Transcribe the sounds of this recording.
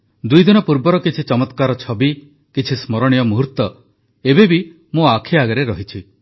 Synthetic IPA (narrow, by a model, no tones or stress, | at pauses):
d̪ujd̪inɔpuɾbɔɾɔkit͡ʃʰit͡ʃɔmɔt̪kaɾɔt͡ʃʰɔbi | kit͡ʃʰismɔɾɔɽ̃ijɔmuɦuɾt̪ːɔ | ebebi | mũakʰiaɡɔɾeɾɔɦit͡ʃʰi